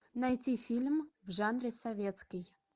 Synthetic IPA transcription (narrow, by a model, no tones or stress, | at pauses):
najt̪ʲifʲilʲmvʒanrʲesɐvʲet̪skʲij